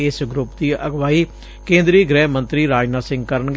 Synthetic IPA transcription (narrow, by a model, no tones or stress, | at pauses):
ɪsɡɾʊpd̪iːəɡʋaːiː | kẽːnd̪ɾiːɡɾɛːɦmə̃nt̪ɾiːɾaːd͡ʒnaːsɪ̃ŋɡkəɾənɡ